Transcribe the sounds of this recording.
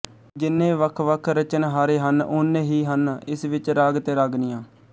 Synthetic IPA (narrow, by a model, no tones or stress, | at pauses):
d͡ʒɪnːẽːʋəkʰʋəkʰɾət͡ʃənɦaːɾeːɦənʊnːẽːɦiːɦənɪsʋɪt͡ʃɾaːɡt̪eːɾaːɡnijãː